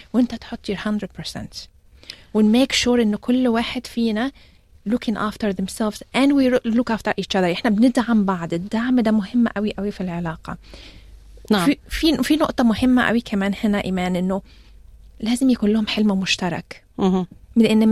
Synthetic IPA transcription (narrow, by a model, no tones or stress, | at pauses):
wʔɪnt̪at̪ħot̪ˤːjiɾhand̪ɾɪd̪̚pəɾsɛ̰nt̪ | wɪnmeːkʃuːɾʔɪnːʊkʰʊlːwaːħɪd̪̥fiːna | lʊkʰɪ̃ŋʔaːft̪əɾðɛmsɛlvzʔænd̪wilʊkʔaːft̪ɑɾʔiːt͡ʃɑd̪ˤɑɾʔɪħnabnɪd̪ʕambɑʕd̪ɪd̪ːaʕmd̪amʊhɪmːʔæwiʔæwifilʕɪlɑːqɑ̰ | ififinʊʔt̪ˤɑmʊhɪmːaʔæ̰wikʰamæːnhɪnæʔimæːnʔɪnːʊ | læːzɪmjakuːnlʊhʊmħɪlmamʊʃt̪ɑɾˤɑ̰k | mɪlʔɪnː